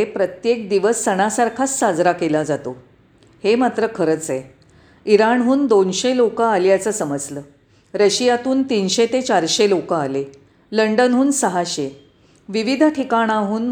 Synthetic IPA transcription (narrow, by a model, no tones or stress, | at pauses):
epɾət̪jek̚d̪iʋəsːəɽ̃asaɾkʰat͡sːad͡zɾakelad͡zat̪o | hemat̪ɾəkʰəɾət͡se | iɾaɳɦuːnd̪onɕelokaːljat͡səːsəməd͡zləː | ɾəɕijat̪uːnt̪iːnɕet̪et͡ɕaɾɕelokaːle | ləɳɖənɦuːnsəɦaɕe | ʋiʋid̪ʱʈʰikaɽ̃aɦuːn